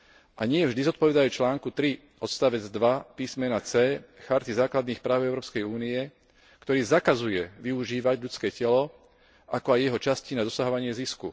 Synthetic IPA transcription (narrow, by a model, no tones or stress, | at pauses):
ʔaɲɪɛvʒd̪izɔt̪̚pɔʋɛd̪ajuːt͡ʃlaːŋkut̪ɾi | ɔt̪st̪aʋɛd͡zd̪ʋapiːsmɛnat͡sɛːxaɾt̪izaːklad̪niːxpɾaːʊɛʊɾɔːpskɛjuːniɛ | kt̪ɔɾiːzakazujɛʋiuʒiːʋaɟʎut͡skɛːcɛlɔ | akɔajːɛɦɔt͡ʃascinad̪ɔsaɦɔʋaɲɪɛziskṵ